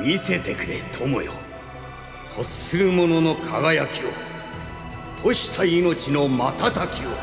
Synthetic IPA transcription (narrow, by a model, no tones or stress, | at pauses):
mʲise̞t̪e̞kɯ̟ɾe̞t̪ʰo̞mo̰jo̰ | kosɨɾɯ̟mo̞no̞nokʰaɡajakʲio̰ | t̪ʰoɕi̥t̪ʰaino̞t͡ɕino̞mat̪at̪akʲio̰